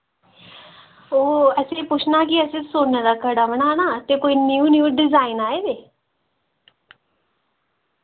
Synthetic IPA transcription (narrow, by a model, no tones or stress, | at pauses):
oːəsepʊt͡ʃʰnaːk̬iəsesoːned̪akəɽaːʋənanat̪ekoːiniuːnjuːɖɪzaːɪnaːed̪eː